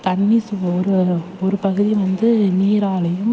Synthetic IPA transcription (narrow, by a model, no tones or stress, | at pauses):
t̪ɐɳːisɯɔɾɯ | ɔɾɯpɐɣɯðiʋɐnd̪ɯniːɾaːlɐjɯm